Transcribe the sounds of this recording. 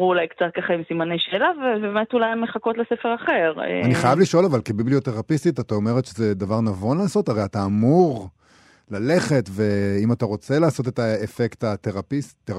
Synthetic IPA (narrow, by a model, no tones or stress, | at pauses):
ʁulajkt͡sat̚kaχaimsimanejʃeːlavebeːmetulajemːeχako̞tlesefeʁaχeʁḛaniχajavliʃo̞lavalkebiblioteʁapistitatao̞me̞ʁetʃezedavaʁnavo̞nlaːso̞taʁe̞jataːmuʁ | lale̞χe̞tve̞imataʁo̞t͡se̞laːso̞t̬e̞taefektateʁapitːeʁ